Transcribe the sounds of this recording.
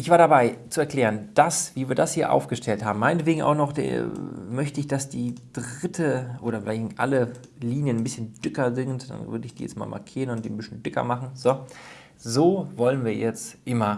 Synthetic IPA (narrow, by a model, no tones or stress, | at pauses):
ʔɪçv̥aːɐɾabaɪt͡suɛɐklɛːʁənd̥asv̥iːviːɐdashiːɐʔa̰ʊfɡ̥əʃtʰɛlthaːbm̩mːaɪnətv̥eːɡŋ̩ʔa̰ʊxnɔχd̥ḛmœçtəɪçd̥asd̥iːd̥ʁɪtʰəʔoːɾɐfɪlaɪçʔa̰lə | liːnjənnbɪsçənd̥ʏkɐzɪŋntd̥a̰nvʏ̰ɐdəɪçd̥iːjɛ̰t͡stma̰ːlmʔa̰ɐkʰiːʁənʊntd̥ḭːnbɪsçənd̥ɪkɐ̰maχn̩zo | zoːvɔlənviːɐjɛt͡stʔɪmɐ